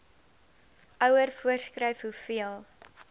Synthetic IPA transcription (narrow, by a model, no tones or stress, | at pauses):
ʔœwərfuərskrɛjfɦufiəlˠ